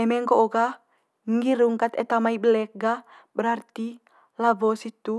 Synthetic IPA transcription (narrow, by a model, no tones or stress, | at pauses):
ɛmɛŋkooɡa | ŋɡiɾuŋkat̪ɛt̪amaibəlɛk̚ɡa | bəɾart̪i | lavɔsit̪u